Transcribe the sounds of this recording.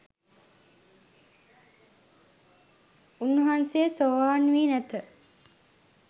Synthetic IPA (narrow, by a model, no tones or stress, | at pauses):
unːuɦansejəsoʋaːnʋiːnæt̪ə